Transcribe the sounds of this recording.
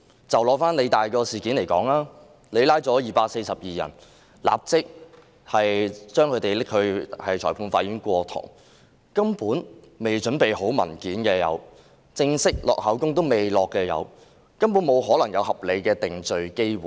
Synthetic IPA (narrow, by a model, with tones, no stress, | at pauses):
t͡sɐ˨wlɔː˨˧faː˥nle˨˧jt̪aː˨jkɔː˧siː˨kiː˨˥nle˨˩jkɔ̰ː˨˥ŋlaː˥ | le˨˧laː˥jt͡sɔː˨˥jiː˨˩paː˧k̚se˧jsɐ˨p̚jiː˨˩jɐ̰˨˩n | la̰ː˨p̚t͡sɪ˥k̚ | hɐ˨jt͡ʃœː˥ŋkʰɵ˨˧t̪e˨jlɪ˥k̚hɵ˧ɥhɐ˨˩jt͡ʃʰɔː˨˩pʰuː˧nfaː˧˥jɥyː˨˥nkʷɔː˧t̪ʰʊ̰˨˩ŋ | kɐ˥mpuː˨˥n | me˨˩jt͡ʃɵ˨˥npe˨jho˨˥wmɐ̰˨˩nkiː˨˥nkɛː˧jɐ̰˨˧w | t͡sɪ˧ŋsɪ˥k̚lɔ̰ː˨k̚hɐ˨˥wkʊ˥ŋt̪̬o˥wme˨˩jlɔː˨kːɛː˧jɐ̰˨˧w | kɐ˥mpu˨˥nmo˨˧wɦɔː˨˥lɐ˨˩ŋjɐ˨˧whɐ˨p̚le˨˧jkɛː˧t̪ɪ˨ŋt͡sɵ˨ɥke˥jwuː˨˥